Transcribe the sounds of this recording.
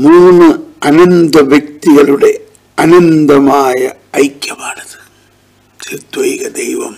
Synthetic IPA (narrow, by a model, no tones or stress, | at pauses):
muːnɯɐnɐnd̪ɐʋjɐk̚t̪ɪɣɐɭɯɽɐj | ʔɐnɐnd̪ɐmaːjɐʔɐɪkːɐpaːɽɐðɯ̥ | t̪ɪɾt̪ʋɐjɣɐd̪ɛjʋɐ̰m